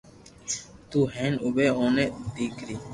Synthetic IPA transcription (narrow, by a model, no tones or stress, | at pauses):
t̪uːɦẽːnʊbeːõːneːd̪iːkʰɾiː